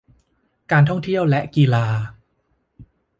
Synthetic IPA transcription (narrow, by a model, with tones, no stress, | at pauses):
kaː˧nt̪ʰɔ˥˩ŋt̪ʰi˥˩əwlɛ˦˥ʔkiː˧laː˧